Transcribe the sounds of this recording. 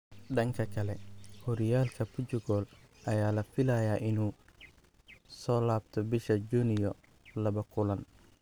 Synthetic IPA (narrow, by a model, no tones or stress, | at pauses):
ɖɐŋkʰɐkʰɐlɛhɔɾɪjaːlkʰɐpʰʊt͡ʃʊɡɔːl | ʔɐjaːlɐfɪlaːjaːʔɪnuː | sɔːlaːb̚t̪ʰɔbɪʃɐd͡ʒuːnɪjɔ | lɐβɐkʰʊlɐn